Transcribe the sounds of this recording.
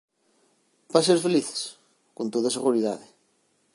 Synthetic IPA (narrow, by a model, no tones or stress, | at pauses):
baseɾfeliθe̥s | kont̪oðaseɣuɾiða̰ðe